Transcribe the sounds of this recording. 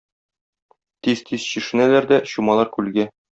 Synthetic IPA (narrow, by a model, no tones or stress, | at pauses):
t̪izt̪ʰiz̥ɕĭʃɘ̆nælæɾd̪æɕumɑlˠɑɾkʉlɡæ